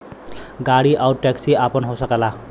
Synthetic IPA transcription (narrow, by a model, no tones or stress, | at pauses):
ɡaɽiʔawʈʈɛksiapʌnɦowsʌkala